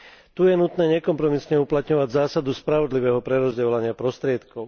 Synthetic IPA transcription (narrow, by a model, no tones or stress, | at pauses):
t̪ujɛnut̪nɛːɲɛkɔmpɾɔmisɲɛuplat̪ɲɔʋaɟzaːsad̪uspɾaʋɔd̪liʋɛːɦɔpɾɛɾɔzɟɛlaɲɪapɾɔst̪ɾɪɛt̪kɔʊ